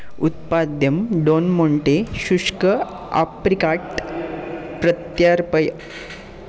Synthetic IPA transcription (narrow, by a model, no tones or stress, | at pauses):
ut̪̚pad̪jəmɖonmoɳʈeɕuʂkə | a̰pɾikaʈ | pɾət̪jaɾpəj